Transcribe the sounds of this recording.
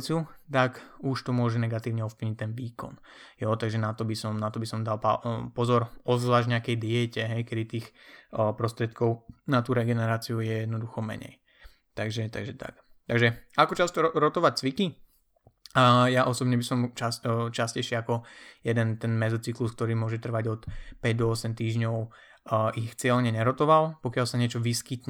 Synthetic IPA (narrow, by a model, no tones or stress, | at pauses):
t͡siut̪akuʃt̪ɔmʊɔʒɛnɛɡat̪iːʊɲɛɔfpliɲic̚t̪ɛnʋiːkɔ̰n | jɔt̪aɡʒɛnat̪ɔbisɔmnat̪ɔbisɔmd̪alpa̰pɔzɔɾɔzʋlaːʒɲɛakɛjd̪iɛcɛɦɛjkɛd̪it̪iːxpɾɔst̪ɾɪɛt̪kʰɔʊnat̪uɾɛɡɛnɛɾaːt͡siujɛjɛd̪nɔd̪uxɔmɛ̰ɲɛ̰j | t̪aɡʒɛt̪a̰ɡʒɛt̪a̰k | t̪aɡʒɛakɔt͡ʃast̪ɔɾɔt̪ɔʋac̚t͡sʋiki | jaʔɔsɔbɲɛbisɔmt͡ʃast͡ʃascɛjʃiakɔjɛd̪ɛnt̪ɛnmɛzɔt͡siklusk̚t̪ɔɾiːmʊɔʒɛt̪r̩ʋaɟɔt̪pɛɟd̪ɔɔsɛmt̪iːʒɲɔʊ | ixt͡sɪɛlɲɛɲɛɾɔt̪ɔʋalpɔkɪalsaɲɪɛt͡ʃɔʋiskit̪ɲ